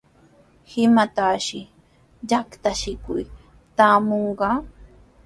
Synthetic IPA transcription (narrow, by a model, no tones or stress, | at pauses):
hɪmat̪aʃɪ | ʎakt̪aʃɪkʊ̰j | t̪aːmoɴɢɑː